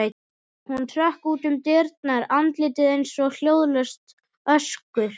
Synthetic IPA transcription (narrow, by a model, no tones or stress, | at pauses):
hunt̪ʰɾœhkuːt̪ʏmt̪ɪɾt̪naɾant̪lɪːt̪ɪðejnsɔɣl̥joːwðlœst̪ | œskʏɾ̥